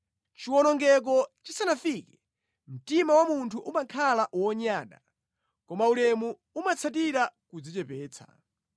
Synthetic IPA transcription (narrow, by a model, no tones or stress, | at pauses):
t͡ʃiwɔnɔŋɡɛk̬ɔt͡ʃisanafikɛ̥ | m̩timawamuntʰuʔumakʰalaʔwɔɲaːɗa̰ | kɔmaulɛmu | umat͡sʰat̬iɾakud͡zit͡ʃɛpɛːt͡sʰḁ̰